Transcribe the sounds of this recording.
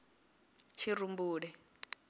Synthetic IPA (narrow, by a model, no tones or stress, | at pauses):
t͡ʃʰiɾumbuːɺɛ